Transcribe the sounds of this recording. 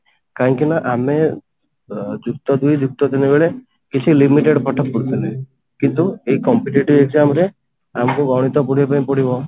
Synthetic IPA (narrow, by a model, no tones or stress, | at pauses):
kaɦŋkinaʔame | d͡ʒukt̪ɔd̪uid͡ʒuk̚t̪ɔt̪inebeɭe | kit͡ʃʰilimiʈeɽpɔʈʰɔk̚puɽt̪ʰile | kint̪ueikɔmpiʈiʈiʋeɡzamɾe | amkubawɽ̃it̪ɔpuɽ̤epaĩpɔɽ̤ibɔ